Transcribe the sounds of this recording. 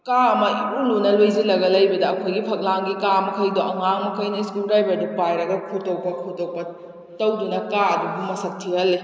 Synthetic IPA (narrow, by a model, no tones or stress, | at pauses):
kaɐmɐulunɐlojzilɐɡɐlɐjbɐdɐːkʰojɡipʰɐk̚laŋɡikamɐkʰɐjdɔɐŋaŋmɐkʰɐjnɐiskulɾajbɐdupajɾɐɡɐkʰutɐwpɐkʰutɐwpɐ | tɐwdunɐkaɐdubumɐsɐk̚tʰihɐlːi